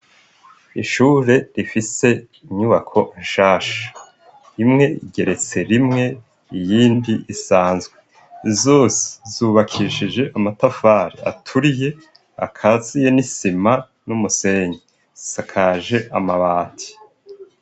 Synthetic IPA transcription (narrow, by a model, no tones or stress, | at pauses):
iʃuːɾe̞ɾifise̞ | iɲuβakʰo̞ʔinʃaːʃḁ | ɾimŋe̞ḭɡe̞ɾe̞t͡se̞ɾimŋe̞ | ijiːndiisaːnzɡwe̞ | zo̞ːsi̥zuːβakʰiʃid͡ʒe̞ʔamatafaːɾḭa̰tʰuɾije̞ | a̰kʰazije̞nisima | numuse̞ɲi | sakʰaʒe̞ʔamaβaːtʰi̥